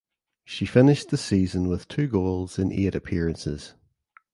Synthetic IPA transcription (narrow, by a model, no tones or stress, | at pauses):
ʃifɪnɪʃðəsiːzə̃nwɪð̥tʰʉːɡoːlˠz̥ɪ̃nʔḛɾəpʰɪəɹə̃nsɪ̰z̥